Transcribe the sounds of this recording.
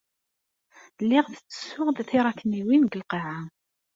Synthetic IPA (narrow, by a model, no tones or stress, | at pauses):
lːɪʁθə̥t͡sːə̥sʊʁðθiɾˤɑkːniwinɡəlqiʕa